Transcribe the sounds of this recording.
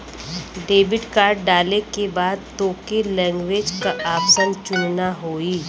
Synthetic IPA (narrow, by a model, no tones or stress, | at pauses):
ɖeːbɪʈkaːɾɖɖaːlekebaːd̪̚t̪oːkelɛ̃ːŋɡʋeːd͡ʒkaʔaːpsənt͡ʃʊnnaɦoːi